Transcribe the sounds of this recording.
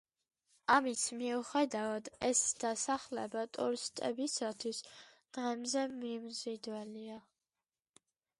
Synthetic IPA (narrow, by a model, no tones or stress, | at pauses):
amismiuχɛd̪avad̪ɛsd̪̥asaχlɛ̰bat̪ʼṵɾist̪ʼɛ̰bisat̪ʰwisd̪̥ʁɛmzɛmimzid̪wɛlia